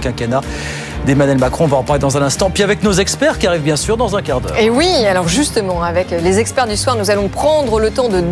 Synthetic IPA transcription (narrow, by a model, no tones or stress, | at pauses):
kʲɛ̃kana | d̪emanɥɛlmakχɔ̃vãpaʁled̪ɑ̃zɛ̃nɛ̃st̪ɑ̃pɥiavɛknozɛkspɛʁkʲiaʁivbjɛ̃syʁd̪ɑ̃zɛ̃kaʁd̪œ̰ːʁewialɔʁʒyst̪əmɑ̃avɛklezɛkspɛʁd̪yswaʁnuzalɔ̃pχɑ̃d̪ʁələt̪ɑ̃d̪ə